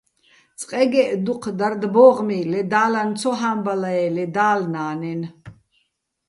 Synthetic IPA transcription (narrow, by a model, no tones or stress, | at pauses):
t͡sʼqʼɛɡɛʔd̪uqʰd̪aɾd̪bɔːʁmilɛd̪aːlant͡sʰɔɦambalaɛlɛd̪aːlnaːnɛn